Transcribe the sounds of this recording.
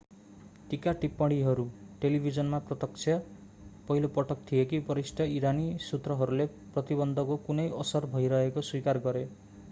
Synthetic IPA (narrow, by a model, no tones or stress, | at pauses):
ʈikaʈipːɔɽiɦʌɾuʈelibʱid͡ʒɔnmapɾɔt̪ɔksʰjʌ | pɔɦilopɔʈɔk̚t̪ʰiekipɔɾisʈʰʌiɾanisut̪ɾɔɦɔɾule | pɾɔt̪ibɔnd̪ʱɔkukunejɔsʌɾbʱɔjɾʌɦekoswikaɾɡɔɾe